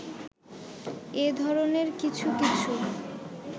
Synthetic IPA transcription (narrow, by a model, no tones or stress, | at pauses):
ed̪ʱɔɾoneɾkit͡ɕʰukit͡ɕʰu